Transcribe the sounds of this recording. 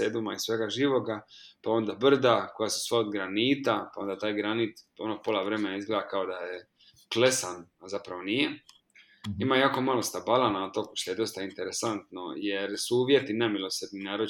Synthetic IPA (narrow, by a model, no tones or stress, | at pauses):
ed̪umaisʋe̞ɡaʒiːʋo̞ɡapao̞nd̪abr̩d̪ako̞jasu̥sʋaod̪ɡɾaniːt̪apao̞nd̪at̪aːjɡɾanit̪o̞nopolaʋɾe̞menaizɡled̪akao̞d̪aje | kle̞sanazapɾaʋo̞nije | imajaːko̞malo̞st̪abalˠanat̪o̞kʃt̪oje̞d̪o̞st̪aint̪eɾesant̪no̞̰jeɾsuuːʋje̞t̪inemilo̞sed̪ninaːɾo